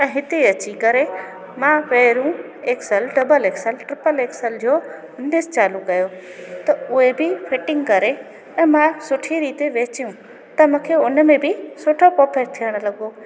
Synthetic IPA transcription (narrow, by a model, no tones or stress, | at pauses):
ɛ̃ːɦɪt̪eɐt͡ɕikɐɾe | mãʋeːɾũ | eːksəlɖɐbəleːksəlʈɾɪpəleːksəld͡ʑoː | ʊnɪst͡ɕaːlũkɐjo | t̪ɐʊebɪfʰɪʈɪ̃ŋɡkɐɾe | ɛ̃ːmãsʊʈʰiɾiːt̪eʋeːt͡ɕijũ | t̪ɐmũːkʰeʊnmẽbɪsʊʈʰopoːpʰeɾt̪ʰijəɽ̃̆lɐɠoː